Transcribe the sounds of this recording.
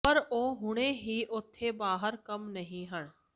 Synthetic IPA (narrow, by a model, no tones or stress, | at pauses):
pəɾoːɦʊɽ̃eɦiːʔʊt̪ʰːebaːɦəɾkɐmnɐɦĩɦəɽ̃